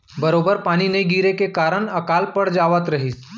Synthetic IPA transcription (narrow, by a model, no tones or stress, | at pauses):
bəɾobəɾpaːñinəiɡiɾekekaɾəɳəkaːlpəɽd͡ʒaʋət̪ɾəɦis